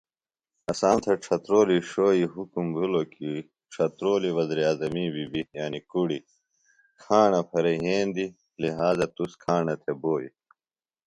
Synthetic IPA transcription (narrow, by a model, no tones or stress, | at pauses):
ɐsaːnt̪ʰeʈ͡ʂʰɐt̪ɾoːliʂoːiɦukumbʱuloki | ʈ͡ʂʰɐt̪ɾoːliʋɐzɾiaːzɐmibibijaːnikuɽi | kʰaːɳɐpʰɐɾeɦeːnd̪i | liɦaːzɐt̪uskʰaːɳɐt̪ʰeboːḭ